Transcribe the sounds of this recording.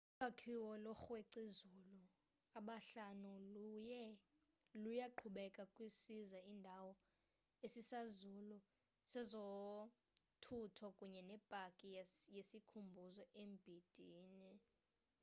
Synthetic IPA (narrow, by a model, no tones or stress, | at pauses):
ulakʰiwɔlɔxweǀizulu | aɓaɬanulujɛ | lujaǃʰuɓɛkʼakʼwisizaiːndʱawɔ | esisazulu | sɛzo | tʰutʰɔkʼuɲɛnɛb̥ʼʱakʼijesikʰumbʱuzɔʔemb̥ʱid̥ʱiːni